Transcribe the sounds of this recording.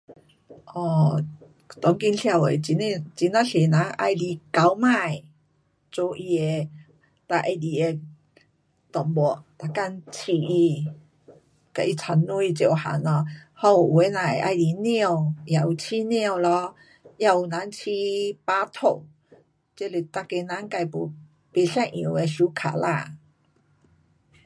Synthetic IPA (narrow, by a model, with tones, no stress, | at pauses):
ʔɔ˧˩ | t̪ɔ˨˦ŋki˧nɬʰja˧˨we˨t͡ɕi˧˦ne˧t͡ɕi˨˦na˧ɬʰe˨nã˨˦ŋʔa̰˧jli˧ka˨˦wmã˥˧˨j | t͡so˧ʔi˧e˧ | t̪a˧ʔe˧li˨˩e˧ | t̪ɔ˨˩ŋbɔ˨˧˩t̪a˧˩ka˧nt͡ɕʰi˧˩i˧ | ka˨˧˨i˧t͡sʰa˧nũ˦i˧t͡ɕjo˧˨˩wha̰˨˦nɔ˧hɔ˧˦u˨ʔu˨e˨˦nã˨e˨ʔa̰˧jli˨njĩ˥˧˨ja˨u˨˩t͡ɕʰi˧˦nĩ˦˧˨lɔ˧˦ | ja˧u˨nã˧˦nt͡ɕʰi˧pa˧˦t̪ʰo˨˩˨ | t͡ɕe˦le˨t̪a˧ke˧nã˧˦ŋka˧˨pu˨˩ | pe˧ɕã˥˧ʔḭ̃˧˨˧e˧ɕu˧˦kʰa̰˨la˧˨